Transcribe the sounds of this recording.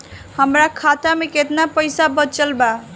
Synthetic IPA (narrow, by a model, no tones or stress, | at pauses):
həmɾakʰat̪ameket̪napəjsabət͡ʃəlba